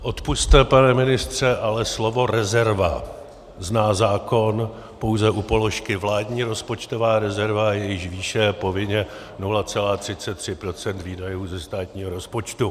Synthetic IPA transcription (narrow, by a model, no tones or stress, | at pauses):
ʔo̞t̪pust̪ɛpanɛmɪnɪst̪r̝̥ɛʔalɛslo̞vo̞ɾɛzɛɾva̰ | znaːzaːko̞n | po̞wzɛʔupo̞lo̞ʃkɪvlaːdɲiːɾo̞spo̞t͡ʃt̪o̞vaːɾɛzɛɾvajɛjɪʃviːʃɛpo̞vɪɲɛ | nulat͡sɛlaːt̪r̥ɪt͡sɛt̪ːr̝̥ɪpɾo̞t͡sɛnt̪viːdajuːzɛst̪aːt̪ɲiːɦoɾo̞spo̞t͡ʃt̪u